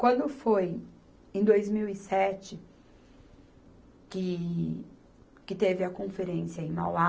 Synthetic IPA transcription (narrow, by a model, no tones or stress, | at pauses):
kwɐ̃nd̪ʊfoj | ẽd̪ojzmiwisɛt͡ʃɪ | kɪ | kɪt̪evɪɐkõfeɾẽsjɐẽj̃ma̰wa